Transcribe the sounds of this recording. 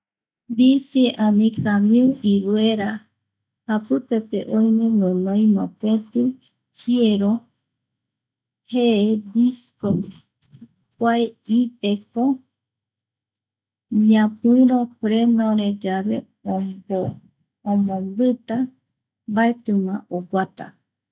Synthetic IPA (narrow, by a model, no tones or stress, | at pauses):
bisiʔãnĩkamiuʔiβeɾa | hapɨpepḛʔojmẽnõnõĩmãpet̪ɨ | hieɾo | heed̪isko | kʷaeip̪eko | mĩãpɨĩɾopɾenõɾed͡ʒaβe | ooː | mõmbɨt̪a | baet̪ɨmãʔoɡʷat̪a̰